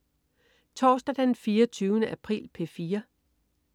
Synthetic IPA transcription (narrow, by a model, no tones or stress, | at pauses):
t͡sʰɒːsd̥æd̥ænfiːɐt͡sʰyːʊnəʔæpʰʁḭːlpʰe̝fiːɐ